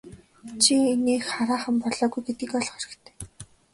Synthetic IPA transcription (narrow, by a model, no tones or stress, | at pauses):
t͡ɕʰineːxχaɾaːχə̆mpɔɮɔːɣujɡet̪̚ɡĭkɔɮχœɾɪ̆kt̪ʰe̥ː